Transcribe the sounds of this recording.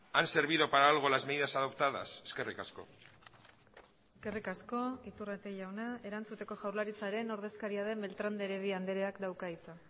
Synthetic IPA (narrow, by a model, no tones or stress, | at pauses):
anse̞ɾβiðo̞paɾaːlɣo̞lazmeðiðasaðop̚t̪aða̰seske̞rikasko̞̰ | eske̞rikasko̞it̪urat̪eʝawnae̞ɾant͡sut̪e̞ko̞ʝawɾlaɾit͡saɾe̞no̞ɾðe̞skaɾiaðe̞mbe̞lt̪ɾand̪e̞ɾeβiand̪eɾeakd̪awkait͡sa